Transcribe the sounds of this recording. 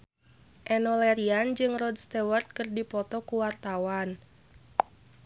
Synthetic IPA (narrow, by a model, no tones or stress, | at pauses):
ʔɛnɔlɛɾiand͡ʒɨŋrɔd̪st̪ɛwərt̪̚kɨrdipɔt̪ɔkuwart̪awan